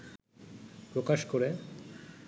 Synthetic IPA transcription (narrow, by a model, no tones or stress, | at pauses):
pɾokaʃkoɾe